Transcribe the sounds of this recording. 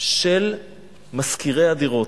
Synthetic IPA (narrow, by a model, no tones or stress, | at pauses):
ʃel | maskiʁejad̪iʁo̞t